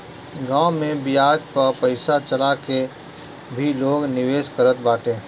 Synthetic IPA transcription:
ɡãːmẽbɪjaːd͡ʒpɐɾpɐɪsat͡ʃəlake | bʱiloːɡnɪʋeːskəɾət̪̚baːʈʰẽː

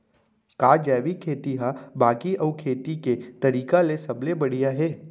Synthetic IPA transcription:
kaːd͡ʒɛːʋikʰeːt̪iɦabaːɡiʔɐːkʰeːt̪iket̪ɐɾiːkalesɐblebɐɽ̤ijaɦɛː

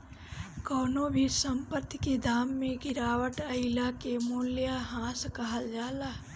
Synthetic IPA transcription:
kɔːnobʱisə̃mpəɾt̪ʰked̪aːmːẽɡɪɾaːwəʈɐɪlakemuljaɦãːskɐɦəld͡ʒaːlaː

